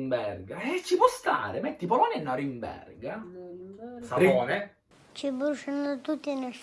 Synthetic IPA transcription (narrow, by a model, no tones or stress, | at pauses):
mbɛrɡaɛt͡ʃːipwɔst̪a̰ːɾemɛt̪ːipolɔːnɛnːɔɾimbɛ̰rɡa | saiɔːne | t͡ʃibuʃanot̪ut̪ːine